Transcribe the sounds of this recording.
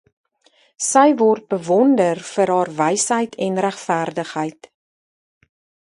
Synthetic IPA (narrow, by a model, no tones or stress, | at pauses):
səjvɔrt̚bəvɔndərfəɾɦɑːrvəjsɦəjtʰɛnræχfæːrdəχɦəjt